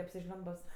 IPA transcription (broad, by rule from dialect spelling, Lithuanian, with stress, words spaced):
ɐpʲsʲɪˈʒʲlʲʊmbʊs